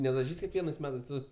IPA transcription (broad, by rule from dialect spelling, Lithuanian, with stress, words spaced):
nʲɛdɐˈʒʲiːsʲ kʲɛkˈʋʲiɛnɐɪs ˈmʲæːtɐɪs ˈtoːs